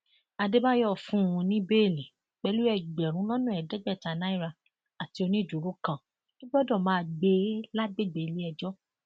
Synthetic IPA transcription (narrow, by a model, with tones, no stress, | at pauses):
a˧de˦ba˦jɔ˦˨fũ˦˨ũ˧nĩ˦be˦˨lĩ˨ | k͡pɛ˧˦lu˦ɛ˦˨ɡ͡bɛ˨ɾ̃ũ˨˦lɔ˦nũ˦ɛ˨dɛ˨˦ɡ͡bɛ˦˨ta˨nã˨˦i˦˨ɾa˧ | a˨ti˨˦o˧nĩ˦˨d͡ʒu˨ɾo˦kã˦˨ | ki˦ɡ͡bɔ˦dɔ̃˦˨mãː˦˧ɡ͡be˧˦la˦ɡ͡be˦˨ɡ͡be˨˧li˦ɛ˧d͡ʒɔ˦